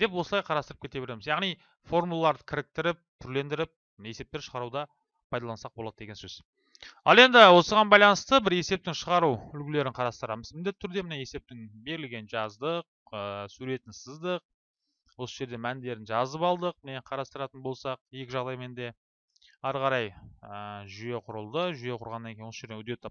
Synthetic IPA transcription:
d̪̥e̞p̬wo̞səlˠɑjqʰɑɾɑst̪əɾəpkʰe̞t̪e̞be̞ɾemɪzjɑʁnij | fo̞rmulˠɑlˠɑɾd̪əkʲʰɪɾɪk̚t̪ɪɾɪp̚t̪ʰʏɾle̞nd̪ɪɾɪp̚ | ne̞se̞pt̪e̞ɾʃəʁɑɾud̪ɑ | pʰɑjd̪ɑlˠɑnsɑq̚bo̞lˠɑd̪əd̪eɡʲesøz | ɑlˠe̞nd̪ɪwo̞səʁɑnbɑjlˠɑnəst̪əbɪɾe̞se̞p̚t̪ɪŋʃəʁɑɾuʏlkʲɪle̞ɾɪɴqʰɑɾɑst̪əɾɑməzmɪnd̪et̪ɪʏɾd̪e̞mɪne̞e̞se̞p̚t̪ɪŋbe̞ɾɪlɡʲe̞nʒɑzd̪əq̚ | əsuɾe̞t̪ɪnsəzd̪əq̚ | wo̞səʒe̞ɾd̪e̞mænd̪e̞ɾɪnʒɑzəpɑlˠd̪əq̚mɪneqʰɑɾɑst̪əɾɑt̪ənbo̞lˠsɑq̚je̞kʲɪʒɑʁd̪ɑjme̞nd̪e̞ | ɑɾʁɑɾɑjəʒʏje̞qʰʊɾəlˠd̪əʒʏje̞qʰʊɾʁɑnːɑnŋkʲejnwosəʒed̪ewɵd̪et̪ʰːɑp

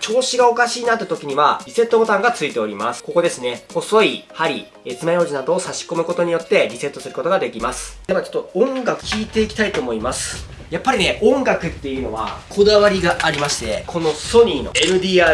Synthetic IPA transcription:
t͡ɕo̞ːɕiɡao̞kaɕiːnat̪ːet̪o̞kʲiɲ̟iβabʲise̞t̪ːo̞bo̞t̪ãŋɡat͡sɨit̪e̞o̞ɾʲima̰sɨ̥ko̞ko̞d̪e̞sɨne̞ho̞so̞ihaɾʲḭ | et͡sɨmajo̞ːʑinad̪o̞ːsaɕi̥ko̞mɯ̟ko̞t̪o̞ɲ̟ijo̞t̪ːe̞bʲise̞t̪ːo̞sɨɾɯ̟ko̞t̪o̞ɡad̪e̞kʲimasɨ̥d̥̪e̞mat͡ɕo̥t̪ːoõ̞ŋɡakɯ̟̥kʲiːt̪e̞ikʲi̥t̪ait̪oːmo̞imasɨ̥ | japːaɾʲine̞ʔõ̞ŋɡakɯ̟t̪ːe̞jɯ̟no̞̰βa̰kʰo̞d̪aβaɾʲiɡaʔaɾʲimaɕi̥t̪e̞kʰo̞no̞so̞ɲ̟iːno̞̰enɯ̟d̪ʲiːaː

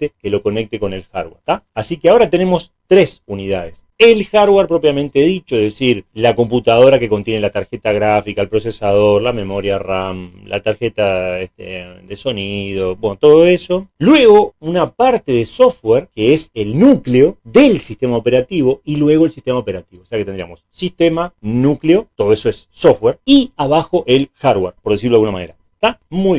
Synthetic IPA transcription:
t̪ekelo̞ko̞nek̚t̪eko̞ne̞lxa̰ɾwḛɾt̪aasikeao̞ɾat̪e̞ne̞mo̞s | t̪ɾesuniðaðes | elxaɾweɾpɾo̞p̬jamẽnt̪eðit͡ʃoeðesiɾlako̞mput̪að̞o̞ɾake̞ko̞nt̪jenelat̪aɾxet̪aɣɾafikaelpɾosesaðo̞ɾlamẽ̞mo̞ɾjaramlʔa̰t̪aɾxet̪aeht̪ḛd̪eso̞nið̞o̞bwenot̪o̞ðoeso̞lwe̞ɣo̞unapaɾt̪e̞ðeso̞fweɾkeeselnukleo̞ðelsiht̪e̞maope̞ɾat̪iβo̞ilwe̞ɣoelsi̥ht̪emaopeɾat̪iβoseaket̪end̪ɾia̰mo̞sːist̪emanukleo̞t̪o̞ðo̞eso̞esːofweɾiaβaxo̞ʔe̞lxaɾɣweɾpoɾðes̬iɾoalɣunamane̞ɾae̥t̪amu

